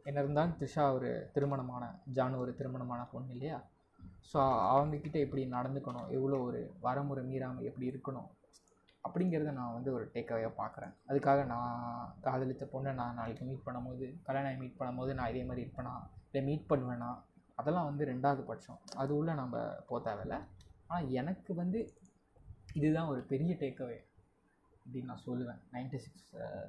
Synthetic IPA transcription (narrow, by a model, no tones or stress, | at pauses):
ɛnːɐɾɯnd̪aːlt̪ɪɾɪʂaːɔɾɯ̰t̪ɪɾɯmɐɳɐmaːnɐ̰d͡ʒaːnɔɾɯt̪ɪɾɯmɐɳɐmaːnɐpɔɳːɪlːɐjaː | soːɐ̰ʋɐŋɡɐkːɪʈːɐɛpːɐɽinɐɽɐnd̪ɯkːɐɳʊ̰̃ʔɛʋːɐɭoːɔɾɯ̰ʋɐɾɐmʊɾɐmiːɾaːmɐɛpːɐɽiɪɾɯkːɐɳʊ̰̃ | ɐpːɐɽɪŋɡɪɾɐðɯnãːʋɐnd̪ɯɔɾɯʈeːkːɐʋɐjaːpa̰ːɾkɪɾḛ̃ːɐðɯkːaːɣɐnãːkaːðɐlɪt̪ːɐponlɐnãːnaːlɪkːɯmiːʈ̚pɐɳːɐmpoːðɯkɐleːnaːjɐmiːʈ̚pɐɳːɐmpoːðɯnãːɪðeːmaːd̪ɾiɪɾɯpːɐnãːɪlːɐmiːʈ̚pɐɳːɯʋeːnãːɐðɛlːãːʋɐnd̪ɯɾɛɳɖaːʋɐðɯpɐʈt͡ʃɔ̰̃ɐðɯʊɭːɐnɐmbɐ̰poːt̪aːʋɛlːɐ̰aːnãːɛnɐkːɯʋɐnd̪ɯ | ɪðɯðãːɔɾɯpɛɾɪjɐʈeːkːɐʋej | ɐpːɐɽinnãːsɔlːɯʋẽːnɐɪnʈisɪks